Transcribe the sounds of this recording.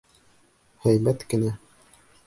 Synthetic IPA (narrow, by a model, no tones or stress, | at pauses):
hæjmæt̪kɘ̆næ